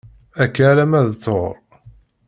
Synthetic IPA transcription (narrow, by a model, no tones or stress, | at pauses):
ækːælæmæðt͡sːoɾˤ